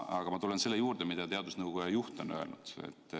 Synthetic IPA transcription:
ɑɡ̥ɑmɑt̪ule̞nse̞lːejuːrd̪̥emid̪̥ɑt̪eɑd̪̥usnɤwkujɑjuht̪ˑonø̞̰elnud̪̥ḛt̪ː

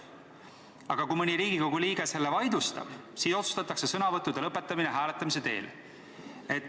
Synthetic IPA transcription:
ɑɡ̥ɑkumɤnʲiɾiːɡ̥iko̞ɡ̥uliːɡ̥eselːevɑjd̪ust̪ɑ̰b̥siːso̞t̪su̥st̪ɑt̪ːˑɑkse̞sɤnɑvɤt̪ːˑud̪̥elɤpːe̞t̪ːˑɑmineɦæːlet̪ːˑɑmis̬e̞t̪e̞̰ːl | e̞t̪ːˑ

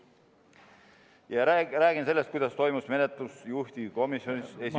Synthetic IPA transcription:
jɑræːɡ̥inse̞lːe̞st̪̚kujd̪̥ɑst̪o̞jmusme̞net̪lusjuht̪ʲiko̞misjo̞nises

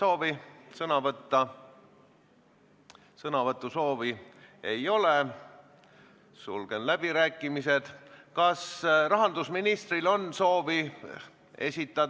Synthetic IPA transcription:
so̞ːvisɤnɑvɤt̪ːɑ | sɤnɑvɤt̪ːˑuso̞ːvie̞jo̞le | sṵlɡ̥enlæb̥iɾæːkːˑimise̞d̪̥kɑsrɑɦɑnd̪usminist̪rilo̞nso̞ːvi | e̞̰sʲit̪ˑːɑd̪

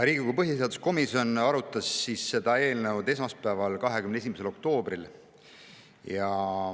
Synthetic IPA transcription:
ɾiːɡ̥ʲikupɤɦjiseɑd̪usko̞miso̞nɑɾut̪ːˑɑsːisːe̞d̪̥ɑe̞ːlnewd̪e̞s̬mɑspæːvɑlkɑɦe̞kymnesimese̞lo̞k̚t̪o̞ːbril | jɑ

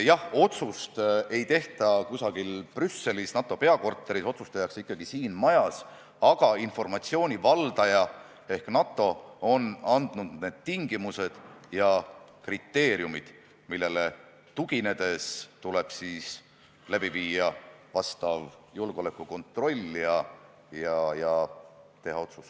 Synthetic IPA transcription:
jɑho̞t̪sust̪e̞jt̪e̞ht̪ɑkusɑɡ̥ilprysːe̞lisnɑt̪ˑːo̞pe̞ɑko̞rt̪ːˑeɾiso̞t̪su̥st̪ɑjɑksikːɑɡ̥isiːnmɑjɑs | ɑɡ̥ɑinfo̞rmɑt̪sio̞ːnʲivɑld̪ɑjɑ | e̞hknɑt̪ːˑo̞o̞nɑnd̪̥nud̪̥ne̞ːd̪̥t̪iŋɡimuse̞d̪̥jɑkrit̪ːe̞ːɾjumid̪̥ | milːe̞le̞ | t̪uɡine̞d̪̥e̞st̪ule̞b̥siːs | læb̥iviːjɑvɑst̪ɑvjulɡ̥o̞le̞kːˑuko̞nt̪ˑro̞lʲːijɑ | jɑjɑt̪e̞ɦɑo̞t̪sus

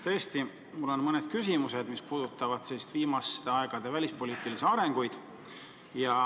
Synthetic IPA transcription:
t̪ɤ̞est̪i | mulːo̞nmɤned̪̥kysimuse̞d̪̥mispuːd̪̥ut̪ːˑɑvɑd̪̥sest̪viːmɑst̪e̞ɑeɡ̥ɑd̪̥e̞vælʲispo̞lʲiːt̪iliseɑɾe̞ŋɡ̥ujd̪̥ | jɑ

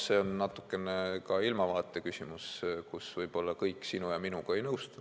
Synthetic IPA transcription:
se̞ːo̞nːɑt̪ːˑu̥kːˑe̞nekɑilmɑvɑːt̪ːˑe̞kysʲimuskusvɤjb̥o̞lːɑkɤjkːsinujɑminuɡ̥ɑe̞jnɤwst̪ɑ

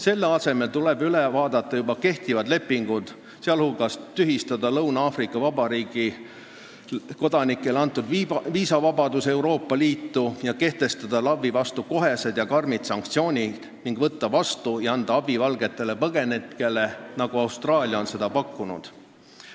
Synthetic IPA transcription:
se̞lːeɑse̞me̞lt̪ule̞byle̞vɑːd̪ɑt̪ˑːɑjubɑke̞ht̪ivɑd̪le̞pːiŋɡ̥ud̪̥ | seɑlhulɡ̥ɑst̪yɦist̪ɑd̪ɑlɤwnɑɑːfrikːˑɑvɑbɑɾiːɡ̥i | ko̞d̪̥ɑnikːˑe̞lɑnt̪ːˑud̪viːsɑvɑbɑd̪use̞uɾo̞ːpːɑliːt̪ːujɑke̞ht̪e̞st̪ɑd̪̥ɑlɑvːivɑst̪uko̞ɦe̞se̞d̪̥jɑkɑrmit̪sɑŋkt̪sio̞ːnʲi | niŋɡ̥vɤt̪ːɑvɑst̪ujɑɑnd̪ɑɑbivɑlɡe̞t̪ːˑe̞le̞pɤɡe̞net̪ke̞le̞nɑɡ̥uɑwst̪rɑːlʲjɑonse̞d̪̥ɑpɑkːunṵd̪̥

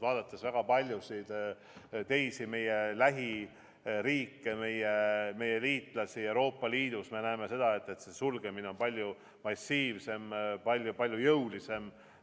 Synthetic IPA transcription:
vɑːd̪̥ɑt̪ːˑesvæɡ̥ɑpɑlʲjusid̪̥ | t̪e̞jsime̞je̞læɦi | ɾiːkːe̞me̞jeme̞je̞liːt̪ˑlɑsie̞wɾo̞ːpːˑɑliːd̪̥usme̞næːme̞se̞d̪̥ɑe̞t̪ːˑe̞t̪se̞sulɡ̥e̞mine̞o̞npɑlʲju | mɑsʲiːvse̞mpɑlʲjupɑlʲjujɤwlise̞m

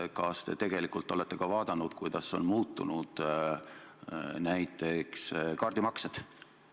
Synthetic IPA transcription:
kɑst̪e̞t̪e̞ɡe̞likˑult̪ːˑo̞le̞t̪ːˑekɑvɑːd̪̥ɑnːud̪̥kujd̪̥ɑsːo̞̰nmuːt̪ːunud̪̥ | næjt̪ːˑe̞kskɑrd̪̥imɑksed̪̥

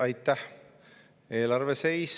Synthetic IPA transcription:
ɑjt̪ːæh | e̞ːlɑrvese̞js

